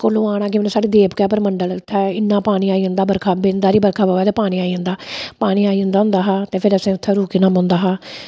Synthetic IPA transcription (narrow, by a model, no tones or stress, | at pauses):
koːlõːaːɽ̃aːkɪmːnẽsaːɽeːd̪eːpkɛːpəɾməɳɖəlt̪ʰːɛːɪnːãːpaːɽ̃iːaːiːə̃nd̪aːbəɾkʰaːbeːnd̪aːɾiːbəɾkʰaːbəɛːt̪eːpaːɽ̃iːaːiə̃ːnd̪aːpaːɽ̃iːaːiːə̃nd̪aːʊ̃nd̪aːɦaːt̪eːpʰɪɾəsẽːʊt̪ʰːɛːɾuːkiːnãːmʊ̃ːnd̪aːɦaː